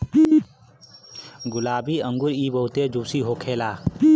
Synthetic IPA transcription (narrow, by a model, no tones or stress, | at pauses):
ɡʊlaːbiːə̃ŋɡʊɾiːbəut̪eːd͡ʒuːsiːɦoːkʰeːlaː